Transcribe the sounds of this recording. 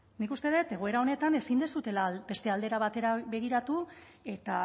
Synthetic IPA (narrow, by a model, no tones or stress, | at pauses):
nikust̪e̞ðet̪e̞ɣo̞e̞ɾao̞ne̞t̪ane̞sind̪esut̪e̞labe̞st̪e̞ald̪e̞ɾaβat̪e̞ɾaβe̞ɣ̞iɾat̪u | e̞t̪a